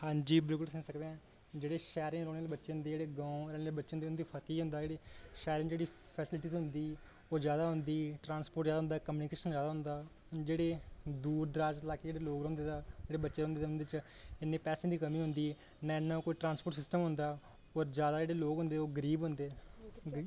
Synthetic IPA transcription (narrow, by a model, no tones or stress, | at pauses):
hãːɲd͡ʒiːbɪlkʊlsɪ̃ŋsəkd̪ẽːɛ̃ː | d͡ʒeːɽeːʃɛːɾɪ̃ŋɾoːneːlebətːʃeɦʊ̃nd̪eːd͡ʒeːɽeːɡãːũɾɛːnːbətːʃãːd̪eːnd̪iːpʰət̪iːɦʊ̃nd̪aːd͡ʒeːɽeːʃɛːɾɪ̃ŋd͡ʒeːɽiː | pʰɛːsɪlʈiːzɦʊnd̪iː | oːd͡ʒjaːd̪aːɦʊnd̪iːʈɾãːnspoːɾʈzaːd̪aɦʊnd̪aːkəmjuːnɪkeːʃənd͡ʒjaːd̪aɦʊnd̪aː | d͡ʒeːɽeːd̪uːɾd̪əɾaːd͡ʒlaːkeːd͡ʒeːɽeːloːɡɾõːnd̪eːt̪ːd͡ʒeːɽeːbətːʃeːɾõːnd̪eːeʊ̃nd̪et͡ʃ | ɪnːẽːpɛːsẽːd̪iːkəmiːɦʊnd̪iː | nãːɪnːãːkoːiːʈɾãːnspoːʈsɪsʈəmɦʊ̃nd̪aː | ɔːɾd͡ʒjaːd̪aːd͡ʒeːɽeːloːkɦʊ̃nd̪eːoːɡəɾiːbɦʊ̃nd̪eː